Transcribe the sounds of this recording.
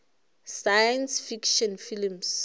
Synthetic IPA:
sajɛnsfikʃɔnfilms

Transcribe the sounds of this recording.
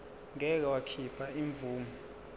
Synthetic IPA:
ŋɛk̬awakʰipʰaiɱb̪vuːmu

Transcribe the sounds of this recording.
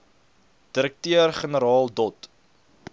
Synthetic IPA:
d̥əɾək̚tøərχənəɾɑːlˠdɔt

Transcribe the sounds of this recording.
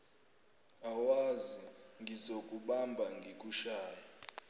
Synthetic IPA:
awaziŋɡʱizokʼuɓambʱaŋɡʱikʼuʃaːjɔ

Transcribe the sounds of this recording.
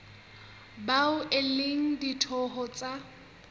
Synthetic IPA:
baʊʔɪleŋ̩ditʰɔɦɔt͡sʼa

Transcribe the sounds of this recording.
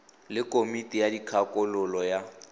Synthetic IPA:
lɪkʼomitʼijadikʰakʼʊlʊlɔja

